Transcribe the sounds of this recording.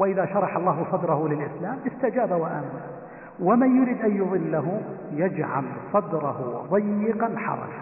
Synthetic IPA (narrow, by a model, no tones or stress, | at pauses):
wɪʔɪðaʃɑɾˤɑħɑlˤːɑːhʊsˤɑd̪ɾˤɑhʊlɪlʔɪslaːmʔɪst̪ad͡ʒaːbawaʔamma | wamanjʊɾiːd̪ʔanjʊðˤɨlːaɦʊ | jad͡ʒʕa̰lsˤɑd̪ɾˤɑhʊðˤɑjːɪqɑnħɑ̰ɾˤɑ̰d͡ʒa